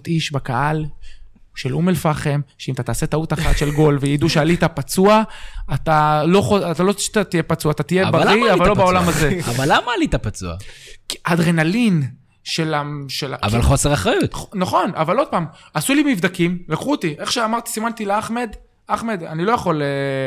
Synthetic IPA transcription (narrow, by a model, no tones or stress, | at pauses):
t̪iʃbakaʔal | ʃelʔumelfaχe̞mʃeimat̪at̪aːse̞t̪aut̪aχat̪ʃe̞lɡo̞lvejid̪uʃealit̪apat͡suaːt̪alo̞χoat̪alot̪at̪ije̞pat͡suaːt̪at̪ijebaiavvalːo̞beo̞lamazeavalːamalit̪apat͡sua̰kad̪ʁenalin | ʃelaʃelaa̰va̰lχo̞seʁaχʁajut̪naχo̞navalo̞d̪̚paːmasulimivd̪akimlakχuot̪iʔe̞χʃeamaʁt̪i̥simant̪ileaχme̞d̪ | aχme̞d̪anilo̞jaχo̞le